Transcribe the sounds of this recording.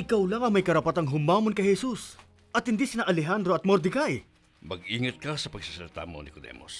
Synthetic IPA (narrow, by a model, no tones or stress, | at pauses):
ʔɪkawlaŋɐŋmɐjkɐɾɐpɐt̪aŋɦʊmaːmonkɐjhɛsus | ʔɐt̪̚hɪnd̪iːsɪnaʔɐlɛɦand̪ɾoɐt̪̚moɾd̪ɪɡaj | mɐɡ̚iːŋɐt̪̚kɐsɐpɐɡ̚sisɐlt̪a̰mo̰nɪkod̪ɛ̰mo̰s